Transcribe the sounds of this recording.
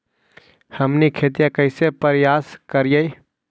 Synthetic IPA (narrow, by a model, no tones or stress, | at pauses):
həmnikʰeːt̪̬ijãkəɪsepəɾjaːskəɾijəj